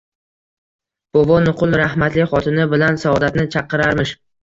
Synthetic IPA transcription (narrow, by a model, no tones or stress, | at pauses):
b̥ovɒnʊqʰʊlˠɾahmat̪lɪχɒt̪ʰɪnɪbɪlansaɒd̪at̪nɪt͡ʃʰɑqʰːɨɾaɾmɪʃ